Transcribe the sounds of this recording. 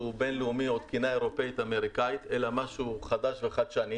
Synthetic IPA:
ube̞nleumio̞d̪kinae̞ʁo̞peit̪ame̞ʁikait̪e̞lamaʃuχad̪aʃveχad̪ʃani

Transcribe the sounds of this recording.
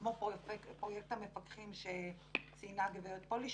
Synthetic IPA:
mopokpʁojek̚t̪hamefakχimʃe | t͡sinaɡvejot̪̚poliʃ

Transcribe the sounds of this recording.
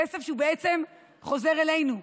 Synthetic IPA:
esefʃeubeet͡se̞m | χo̞ze̞ʁe̞lejnu

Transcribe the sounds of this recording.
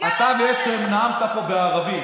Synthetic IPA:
at̪abeet͡semnaamt̪apo̞beaʁavi

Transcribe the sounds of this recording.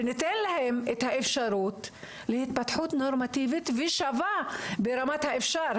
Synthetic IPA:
nit̪enlahemet̪haʔefʃaɾuːt̪ | lehit̪̚pat̪ħut̪noɾmat̪ivit̪viʃavabeɾamat̪haefʃaɾ

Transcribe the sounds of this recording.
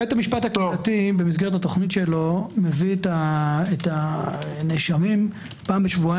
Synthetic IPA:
et̪amiʃpatakatibemisɡeʁet̪hato̞χnitʃelo̞mevietaetaneʃamim | paːmbeʃvua

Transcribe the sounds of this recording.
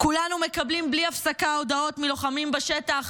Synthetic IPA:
kulanume̞kablimbliafsakao̞d̪ao̞t̪miloχamimbeʃe̞taχ

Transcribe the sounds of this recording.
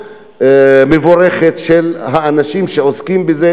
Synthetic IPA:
mevoɾeχet̪ʃelɦaːnaʃimʃeoskimbeze

